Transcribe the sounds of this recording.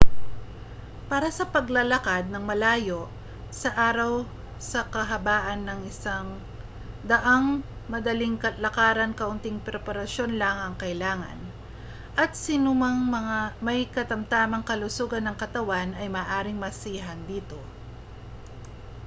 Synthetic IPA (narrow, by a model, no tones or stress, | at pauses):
paːɾɐsɐpɐɡlɐlɐkad̪̚nɐŋmɐlaːjo̞ʔ | sɐʔaːɾɐw | sɐkɐɦɐbaːʔɐnːɐŋɪsaŋ | d̪ɐʔaŋ | mɐd̪ɐlɪŋkɐlɐkaːɾɐnkɐʔʊnt̪ɪŋpɾɛpɐɾɐʃo̞nlaŋɐŋkɐɪlaːŋɐ̰n | ʔɐt̪̚sinumɐŋmɐŋamɐjkɐt̪ɐmt̪aːmɐŋkɐlʊsuːɡɐnːɐŋkɐt̪ɐwanɐjmɐːʔaːɾɪŋmɐsiːɦɐnd̪iːt̪o̞